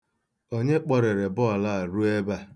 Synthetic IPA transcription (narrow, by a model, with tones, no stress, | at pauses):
o˦ɲe˦k͡pɔ˨ɾe˨ɾe˨bʊ˦a˨la˦a˨ɾu˦e˦ba˦